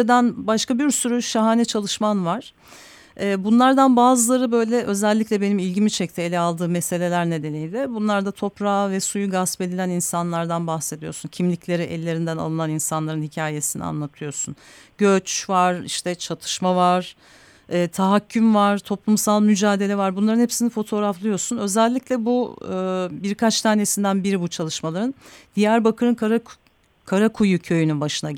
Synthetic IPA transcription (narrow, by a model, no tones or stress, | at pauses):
d̪ænbaʃkabiɾsyɾyʃaɦaːnɛt͡ʃʰalˠɯʃmanvaɾ̥ | ɛːbunlˠaɾd̪anbaːzɯlˠaɾɯbø̞jlʲɛʔø̞zɛlʲːiclʲɛbe̞nimilʲɟimit͡ʃʰɛc̚t̪ʰielʲɛalˠd̪ɯːmese̞lʲe̞lʲæɾne̞d̪e̞nijlʲɛbunlˠaɾd̪at̪ʰo̞pɾaːvɛsujuɡaspe̞d̪ilʲæninsanlˠaɾd̪anbaxse̞d̪ijoɾsuncʰimlʲiclʲe̞ɾiʔɛ̰lʲːe̞ɾind̪æna̰lˠɯnaninsanlˠaɾɯnhicʰaːje̞sinḭa̰nlˠat̪ʰɯjo̞ɾsun | ɟøt͡ʃvaɾ̥iʃt̪ʰɛt͡ʃʰat̪ʰɯ̥ʃmavaɾ̥ | ɛːt̪ʰaɦacʰːymvaɾ̥t̪ʰo̞plˠumsalˠmyd͡ʒaːd̪e̞lʲɛvaɾbunlˠaɾɯnhepsinifo̞t̪ʰo̞ːɾaflˠɯjo̞ɾsunø̞zɛlʲːicʲlʲɛbuː | biɾkʰat͡ʃt̪ʰaːne̞sind̪ænbiɾibut͡ʃʰalˠɯʃmalˠaɾɯnd̪̥ijæɾbakɯɾɯnkɾ | kʰaɾakʰujucʰø̞jynynbaʃɯna